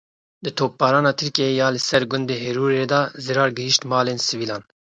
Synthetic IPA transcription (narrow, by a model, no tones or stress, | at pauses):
d̪ɨt̪ʰoːp̚bɑːɾɑːnɑːt̪ʰɨɾkeejɑːlɨsɛɾɡʊnd̪eːɦeɾuːɾeːd̪ɑːzɨɾɑːɾɡɨhiʃt̪mɑːleːnsɨviːlɑːn